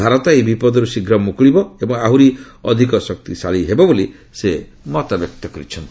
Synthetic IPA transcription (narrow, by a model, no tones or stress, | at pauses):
aɾɔt̪aebipɔd̪ɔɾusiɡɾɔmukɭibɔebɔŋaɦuɾi | ɔ̰d̪ʱikɔsɔk̚t̪isaɭiɦebɔboli | se | mɔt̪abjɔk̚t̪ɔkɔɾit͡ʃʰɔnt̪ii̥